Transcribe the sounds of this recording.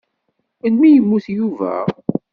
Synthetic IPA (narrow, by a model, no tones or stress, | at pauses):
ənmijəmːuθjuvæ̰